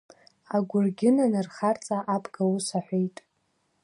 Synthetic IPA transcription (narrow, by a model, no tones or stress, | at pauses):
aɡʷʊrɡʲɪnanɨrχart͡sʼaʔapʰʼɡ̥awusaħʷejtʼ